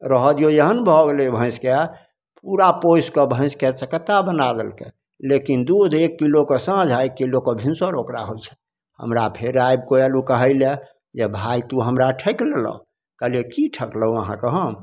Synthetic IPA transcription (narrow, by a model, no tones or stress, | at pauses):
ɾəɦəd̪ijojeɦənbʱɔɡeleobʱə̃ɪ̃ske | puɾapojskəbʱə̃ɪ̃sket͡ʃəkət̪abənad̪elkḛ | lekind̪ud̪ʱekːilokesəd͡ʒʱaekːilokebʱinsoɾokɾa̰ɦojt͡ʃʰɛ̥ | hə̰mɾapʰeɾajb̚koelukəɦəɪle | d͡ʒebʱajt̪uɦəmɾaʈʰəklelɔ̰ | kəlekiʈʰəkləuəɦã̰kəɦə